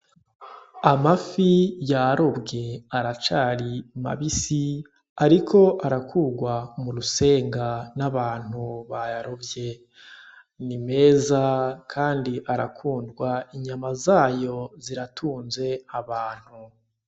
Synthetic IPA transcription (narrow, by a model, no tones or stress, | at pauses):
amafijaɾo̞bɡe̞aɾat͡ʃaːɾima̰βisi | aɾikʰo̞ʔaɾakʰuːɡwamuɾuse̞ːŋɡanaβaːn̥uβajaɾobje̞ | nime̞ːzakʰaːndiʔaɾa̰kʰuːndɡwaiɲamazaːjo̞ziɾatʰuːnze̞aβaːn̥hu